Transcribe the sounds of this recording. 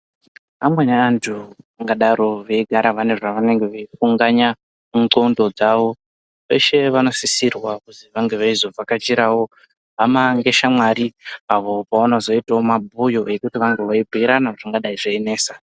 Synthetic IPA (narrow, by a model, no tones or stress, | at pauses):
amwenaːntʰuaŋɡaɗaɾo̞ʋeiɡʱaɾaʋanerʐaʋane̞ŋɡe̞ʋeifuŋɡaɲa | uǃondo̞d͡zaʋo̞ | ʋe̞ʃe̞ʋano̞sisirwakuziʋaŋɡe̞ʋaizo̞b͡vakat͡ʃiɾawo̞ | amaŋɡe̞ʃamwaɾiaʋo̞paonozo̞itaomabʱujo̞e̞kutiʋaŋɡe̞ʋaibʱuiɾanaʐaŋɡaɗaiʐeene̞ːsa